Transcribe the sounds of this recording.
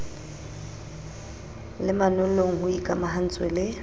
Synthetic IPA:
lɪmanʊloŋ̩ɦʊikʼamaɦan̩t͡sʼwelɪ

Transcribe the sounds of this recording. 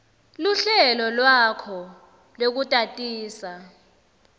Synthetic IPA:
luɬɛlɔlwakʰɔ | lok̬utʼatʼiːsa

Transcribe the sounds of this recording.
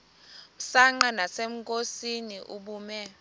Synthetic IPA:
usaŋ͡ǃanasem̩kʼosiniʔuɓuːmɛ

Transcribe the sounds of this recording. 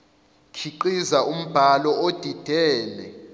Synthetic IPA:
kʰiǃizaʔum̩b̥ʱalɔod̥ʱid̥ʱɛːlɛ

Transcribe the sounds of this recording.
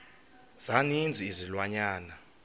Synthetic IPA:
z̥anind͡zʱiːzilwaɲaːna

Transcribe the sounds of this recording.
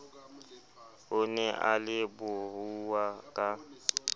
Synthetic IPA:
ʊnɛʔalɪbʊhuwakʼa

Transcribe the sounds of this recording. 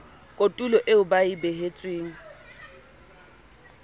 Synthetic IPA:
kʼotʼulɔʔeʊbaibɛɦet͡sʼweːŋ̩

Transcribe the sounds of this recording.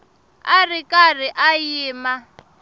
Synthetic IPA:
arikʼar̤iʔajiːma

